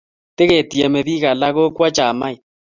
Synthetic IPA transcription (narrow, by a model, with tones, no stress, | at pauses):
te˦ɣe˨ti˨ɛ˨mɛ˨βi˦ɣa˨la˦ɣo˦kwa˦t͡ʃa˨ma˦i˨